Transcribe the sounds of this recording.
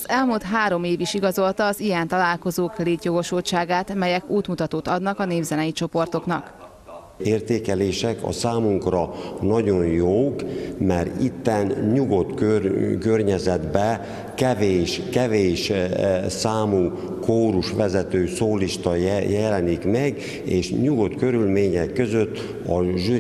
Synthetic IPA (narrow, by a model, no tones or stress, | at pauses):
zɛlmult̪ɦaːɾo̞meːviʃiɡɒzo̞lt̪ɒːzijɛnt̪ɒlaːlko̞zoːkleːt̪jo̞ɡo̞ʃoːʃaːɡaːt̪mɛjɛkuːt̪mut̪ɒt̪oːt̪ɒd̪nɒkɒneːvzɛnɛjit͡ʃo̞po̞rt̪o̞knɒk | eːrt̪eːkɛleːʃɛkɒ̰saːmuŋkrɒnɒɟo̞njoːkmɛɾit̪ːɛnɲuɡo̞t̪køkørɲɛzɛd̪bɛ | kɛveːʃkɛveːʃ | saːmuː | koːɾuʃʋɛzɛt̪øːsoːliʃt̪ɒjjɛlɛnikmɛɡ | eːʃɲuɡo̞t̪kø̞ɾylmeːɲɛkːø̞zøt̪ː | ɒʒy